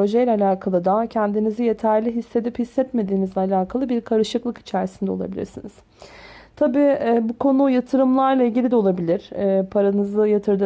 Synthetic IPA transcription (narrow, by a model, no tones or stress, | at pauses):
o̞ʒɛjlʲɛalʲaːkʰalˠɯd̪acʰænd̪inizije̞t̪ʰæɾlʲiɦisːe̞d̪iphisːɛt̪me̞d̪iːmizlʲɛalʲaːkʰalˠɯbiɾkʰaɾɯʃɯklˠɯki̥t͡ʃʰæɾsind̪ɛolˠa̰bilʲḭɾsiniz̥ | t̪ʰabiːɛbukʰo̞nujat̪ʰɯɾɯmlˠaɾlˠailʲɟilʲid̪ɛo̞lˠabilʲiɾ̥ɛːpʰaɾanɯzɯjat̪ʰɯɾd̪